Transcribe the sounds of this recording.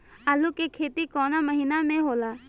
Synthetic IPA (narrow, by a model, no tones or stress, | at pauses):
alukekʰeːt̪ikɔːnaməɦinamẽɦoːlaː